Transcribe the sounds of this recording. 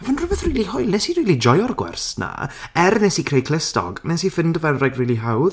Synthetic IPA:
vanrʊbɛðriːlˠihɔjlˠnɛsirilˠid͡ʒɔjɔrɡwɛ̰rsna̰ɛrnɛsikʰrejkʰlɪstɔ̰ɡnɛsifɪndəvɛnrɛɡriːliɦawð

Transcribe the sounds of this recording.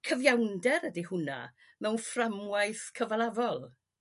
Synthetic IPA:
kʰəvjawndɛɾədihʊna̰ | mɛwnframwajθkʰəvalˠavɔlˠ

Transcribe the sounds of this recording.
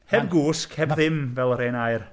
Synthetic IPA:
hɛb̚ɡuːskʰhɛbðɪmvɛlˠɾeːnajr

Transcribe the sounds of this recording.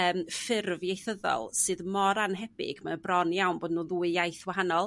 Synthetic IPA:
əːmfɪrvjejθəðɔ̰lˠsɨðmɔɾanɦɛbɪ̰ɡ̥manəbrɔnjawnboːdnuðuːɨjajθwaɦanɔlˠ

